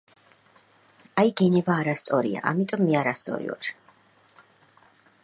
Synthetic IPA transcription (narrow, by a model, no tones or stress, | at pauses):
ajɡɛnɛbaːɾast̪sʼɔɾḭa̰ʔamit̪ʼɔmːɛaɾast̪sʼɔ̰ɾḭva̰ɾ